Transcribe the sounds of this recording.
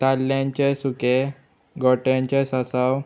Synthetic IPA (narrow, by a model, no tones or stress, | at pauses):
t̪alːjãɲt͡ɕesuke | ɡɔʈjãɲt͡ɕesasaw